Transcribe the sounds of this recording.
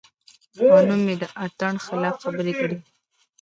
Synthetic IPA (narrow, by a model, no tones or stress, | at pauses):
panumjed̪əʔat̪aɳxɪlɑfxabəɾekəɽi